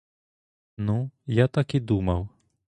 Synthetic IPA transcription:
nujat̪akid̪umɐw

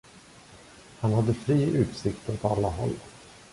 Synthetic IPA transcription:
hanhad̪ːəfɾiːʔʉ̟ːt̪sɪkt̪ɔt̪alːahɔ̰lː

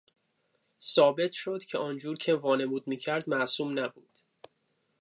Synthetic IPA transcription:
sɒːbe̞t̪ʰʃo̞d̪̥cʰeɒːnd͡ʒuːɾcʰe̞vɒːne̞muːd̪̚miːcʰæɾd̪mæʔsuːmnæbuːd̪̥

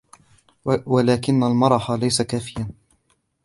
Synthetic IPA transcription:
walaːkɪnːalmɑɾˤɑħalajsakaːfɪjan

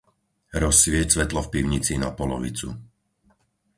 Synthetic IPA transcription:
ɾɔsːʋɪɛcsʋɛt̪lɔfpiʊɲit͡sinapɔlɔ̰ʋḭt͡sṵ

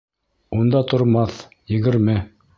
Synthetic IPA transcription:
und̪ɑt̪ŏɾmɑθ | jɘ̆ɡɘ̆ɾmɘ

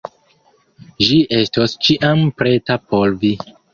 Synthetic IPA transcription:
ʒiʔe̞stost͡ʃiʔampɾetapʰoɾvi

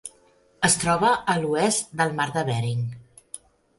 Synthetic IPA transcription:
əst̪ɾɔβəəluɛsd̪əlˠmaɾðəβɛɾiŋ

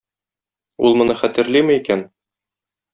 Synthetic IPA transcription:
ṵlˠmŏnɤχæt̪ɘ̆ɾlimɘikæn

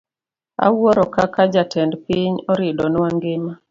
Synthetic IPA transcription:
a̰wɔɾɔkakad͡ʒatʰɛndpiɲɔɾɪdɔnwaŋɡɪma

